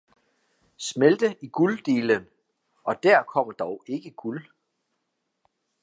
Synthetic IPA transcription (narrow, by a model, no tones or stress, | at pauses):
smeld̥əʔiɡ̥uld̥e̝ːlən | ʔɒ̽d̥æɐ̰kʰɒ̽m̰ɐd̥ɒʊe̝ɡ̥əɡ̥ul